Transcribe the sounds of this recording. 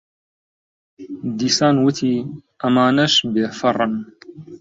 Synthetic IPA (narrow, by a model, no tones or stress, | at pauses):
d̪iːsaːnwʊt̪ʰiːʔɐmaːnɐʃbeːfɐrˤɨn